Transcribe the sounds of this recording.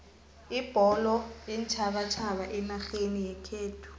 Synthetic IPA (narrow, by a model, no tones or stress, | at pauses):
ib̥ʱɔlɔɛnt͡ʃʰaɓat͡ʃʰaɓaʔɛnaɬenijɛkʰeːtʰu̥